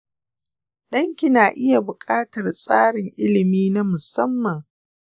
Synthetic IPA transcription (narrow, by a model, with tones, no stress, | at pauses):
ɗɐ˦ŋkʲɪ˦naː˨ʔɪ˦ja˨bʊ˨kʼaː˦tɐ˨rsʼaː˦ɽɪ˨ŋʔɪ˦lɪ˨miː˦na˦mʊ˨sɐ˦mːɐ˨ŋ